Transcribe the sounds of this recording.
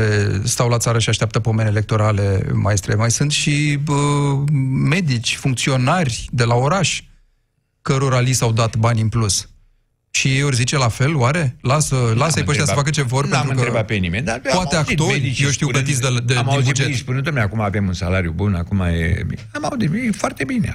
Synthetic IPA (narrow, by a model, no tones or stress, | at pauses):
est̪awlat̪saɾəʃiaʃt̪eap̚t̪əpo̞me̞nele̞k̚t̪o̞ɾale̞maest̪ɾemajsɨnt̪ʃiə | me̞d̪it͡ʃʲfuŋk̚t̪sio̞narʲd̪e̞lao̞ɾaʃ | kəɾoɾalisawd̪at̪banʲɨnplus | ʃiorzit͡ʃe̞lafe̞lowaɾe̞lasəlasəejpəʃt̪jasəəfakət͡ʃe̞vo̞rpent̪uɨnkəɾebat̪̚penimenʲd̪appoat̪eak̪o̞rijewʃt̪iwlət̪it̪sd̪ed̪emivud͡ʒespunut̪omeakumaːvemunsalaɾjubunakuma̰jḛamaud̪iifoart̪ebinḛ